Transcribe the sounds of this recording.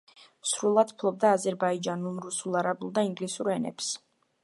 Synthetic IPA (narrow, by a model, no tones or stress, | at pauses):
sɾulˠad̪̥pʰlˠɔb̚d̪aːzɛɾbaid͡ʒanulˠɾusulˠaɾabulˠd̪aiŋɡlisuɾɛnɛ̰ps